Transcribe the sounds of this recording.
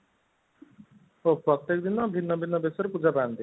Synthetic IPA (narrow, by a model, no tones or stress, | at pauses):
opɾɔt̪ːekd̪inɔbʱinːɔbʱinːɔbesɔɾepud͡ʒapaant̪i